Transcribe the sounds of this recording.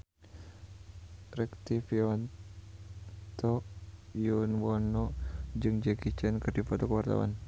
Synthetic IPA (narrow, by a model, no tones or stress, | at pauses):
rɛkt̪ifiɔn | t̪ɔjunwɔnɔd͡ʒɨŋd͡ʒɛɡit͡ʃənkərdipɔt̪ɔkəwart̪a̰wa̰n